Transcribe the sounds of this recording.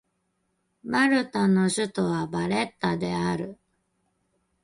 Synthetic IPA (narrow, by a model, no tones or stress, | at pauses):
maɾɯ̟t̪ano̞ɕɨt̪oβabaɾe̞t̪ːad̪e̞aɾɯ̟